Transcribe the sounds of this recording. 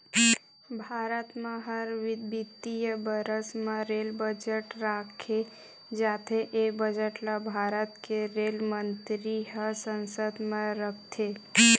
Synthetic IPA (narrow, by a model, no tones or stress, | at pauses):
bʱaːɾət̪mẽɦəɾʋɪd̪bit̪ijəbəɾəsmẽɾeːlbəd͡ʒəʈɾaːkʰe | d͡ʒaːt̪ʰeʔebəd͡ʒəʈlabʱaːɾət̪keɾelmənt̪ɾiɦəsənsəd̪mẽɾəkʰt̪ʰe